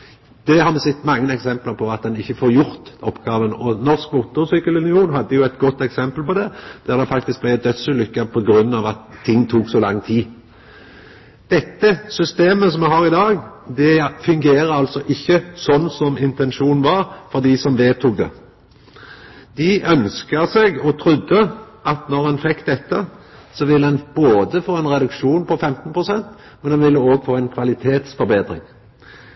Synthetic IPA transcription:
d̪̥ɛhɑɾmɛsɛt̪ːmɑŋːənɛksɛmpləpʰɔɑt̪̚d̪ɛnɪçːəfoːɾjʊɾt̪ɔpːɡɑːʋənɔnɔʁskmuːt̪ʊɾsyːkəlʉnɪuːnɦɑd̪ːəjʊæɪt̪ɡɔt̪ːɛksɛmpəlpɔd̪ɛd̪̥æɾd̪ɛfɑkt̪ɪsk̚blæɪd̪œt̪sʉlʏkːəpʰɔɡɾʉnːɑːʋɑt̪ʰːɪŋːt̪ʰuːksɔlɑŋːt̪ʰiː | d̪̥ɛt̪ːəsʏst̪eːməsɔmɛɦɑːɾɪd̪ɑːɡd̪ɛfʉŋɡeːɾəɑlt̪sɔʔɪçːəsɔnːsɔmɪnt̪ɛnʃuːnn̩ʋɑɾfɔʁd̪iːsɔmʋeːt̪ʰʊɡ̚d̪ə̰ | d̪ɪʔœnskəʁsɛɡɔt̪ʰɾʉd̪ːə | ʔɑt̪nɔʁhɑnfɛkːd̪ɛt̪ːəsɔʋɪlːəɛnboːd̪əfoːɛnʁɛd̪ʉkʂuːnpʰɔfɛmt̪n̩pʰʁʊsɛnt̪ | mɛnɑnʋɪlːəoːɡfoːɛnkʰʋɑlɪt̪ʰeːt̪sfɔɾbeːd̪ɾɪ̰ŋ

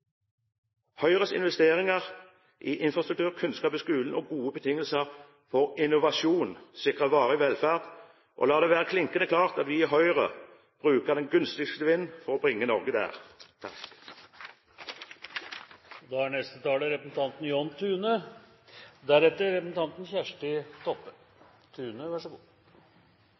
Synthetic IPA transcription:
hœʏʁəsɪ̰nʋɛst̪eːʁɪŋəʁ | ʔɪʔɪnfʁɑst̪ʁʉkt̪ʰʉːʁkʰʉnskɑːpɪskʉːln̩ɔɡuːəbət̪ʰɪŋːəlsəʁ | fɔʁɪnʊʋɑʃuːnsɪkʁəʋɑːʁəɪʋɛlfæːʁd̪ | ʔo̰lɑːd̪ɛːʋæːʁəkʰlɪŋkənəkʰlɑːʁt̪ɑt̪ʋɪɪɦœʏʁə | b̥ʁʉːkəʁd̪ɛnɡʉnst̪ɪɡst̪əʋɪnːfɔʁɔbʁɪŋːənɔʁɡəd̪æ̰ːʁ | d̪ɑːæɳɛst̪ət̪ʰɑːləɾɛpɾəsn̩t̪ʰɑnt̪n̩jɔnt̪ʰʉːnə | d̪æɾɛt̪ːəɾɛpɾəsn̩t̪ɑnt̪n̩çæʂʈɪt̪ʰɔpːə | t̪ʰʉːnəʋæʂəɡuː

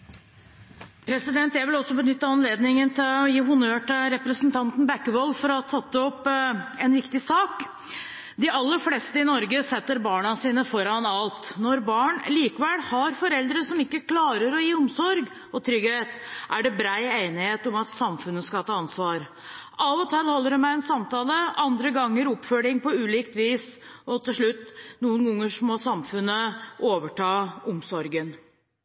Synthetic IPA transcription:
pʰɾɛsɪd̪ɛnt̪jæɪʋɪlɔsːɔbənʏt̪ːəɑnleːd̪nɪŋənt̪ʰɪlɔjiːɦʊnøːʈɪlɾɛpɾəsnt̪ʰɑnt̪n̩bækːəʋɔlːfɔɾɔt̪ʰɑt̪ːəɔpːɛnʋɪkt̪ɪsɑːk | d̪ɪʔɑlːəɾflɛst̪əɪnɔɾɡəsɛt̪ːəɾbɑːɳɑsiːnəfɔɾɑnɑlt̪nɔɾbɑːɳliːkʋɛlhɑɾfɔɾɛld̪ɾəsɔmɪkːəkʰlɑːɾəɾɔjiːʊmsɔɾɡ | ɔt̪ʰɾʏɡheːt̪ʔæɖɛbɾæɪeɪnɪheːt̪ɔmɑt̪sɑmfʉnːəskɑt̪ʰɑːɑnsʋɑːɾ | ʔɑʋɔt̪ʰɛlhɔlːəɖʉmæɪɛnsɑmt̪ɑːləɑnd̪ɾəɡɑŋːəɾʊpføːɽɪŋpɔʉːliːkt̪ʋiːs | ɔt̪ʰɪlʂɭʉt̪ːnuːənɡʊŋːəʂmɔsɑmfʉnːəʔoːʋəʈʰɑːʊmsɔɾɡən

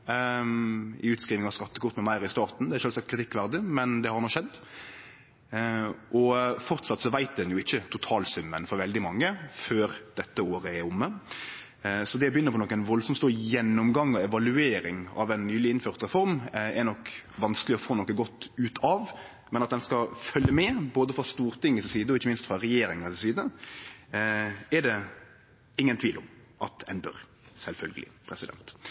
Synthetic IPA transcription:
ɪʉːt̪skɾiːʋɪŋɑskɑt̪ːəkʊʁt̪mɛmæɪɾɪst̪ɑːɾt̪n̩d̪ɛæɾʃøːlsɑkt̪kɾɪt̪ʰɪkːʋæɾd̪ɪmɛnd̪ɛhɑɾnɔʃɛd̪ː | ʔɔfɔɾt̪sɑt̪ːsɔʋæɪt̪̚d̪ɛnjʊɪçːət̪ʰʊt̪ʰɑːlsʉmːənfɔɾʋɛld̪ɪmɑŋːəføːɾd̪̥ɛt̪ːəoːɾəɛɾʊmːə | sɔd̪ɛbəjʏnːəpɔnɔkːɛnʋɔlsɔmtst̪uːjɛnːɔmɡɑŋːɔɛʋɑlʉeːɾɪŋɑ̰ʋɛnnyːlɪɪnføːɾt̪ɾɛfɔɾmɛnɔkʋɑnskəlɪɔfoːnɔkːəɡɔt̪ːʉːt̪ʰɑʋ | mɛnɑt̪̚d̪ɛnskɑfœlːəmɛːboːd̪əfɾɑst̪uːɾt̪ɪŋːəssiːd̪əɔɪçːəmɪnst̪fɾɑɾɛjeːɾɪŋɑɾssiːd̪ə | ɛɖɛ | ɪŋːənt̪ʰʋiːlʊmʔɑ̰t̪ʰɛnbø̰ːɾ | sɛlfœlɡəlɪ̰pʰɾɛsɪd̪ɛ̰nt̪

